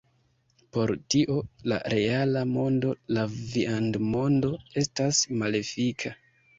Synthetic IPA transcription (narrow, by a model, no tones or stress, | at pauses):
po̞ɾtiʔo̞la̰ɾʔe̞alamo̞ndo̞laviandmo̞ndo̞e̞stasmale̞fikʰa